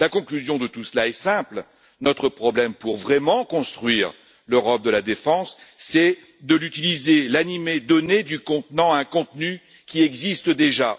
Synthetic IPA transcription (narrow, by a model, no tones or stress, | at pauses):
lakɔ̃klyzjɔ̃d̪ət̪usəlaɛsɛ̃pl | nɔt̪χəpχɔblɛmpuʁvʁɛmɑ̃kɔ̃st̪χɥiːʁ | løʁɔp̚d̪əlad̪efɑ̃sːɛ | d̪əlyt̪ilizelanimed̪ɔned̪ykɔ̃t̪nɑ̃aɛ̃kɔ̃t̪ny | kʲiɛɡzist̪d̪eʒa